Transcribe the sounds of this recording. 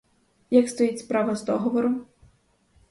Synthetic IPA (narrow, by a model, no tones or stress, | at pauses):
jakst̪ɔjitʲspɾɑʋɐzd̪ɔɦɔʋɔɾɔm